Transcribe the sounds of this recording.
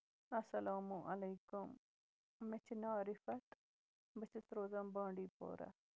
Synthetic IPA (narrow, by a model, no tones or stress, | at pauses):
ɐsɐlaːmuʔɐleːkʊm | met͡ʃʰnaːɾɪfɐt̪ | bət͡ʃʰəsɾoːzɐmbãːɳɖiːpo̰ːɾa̰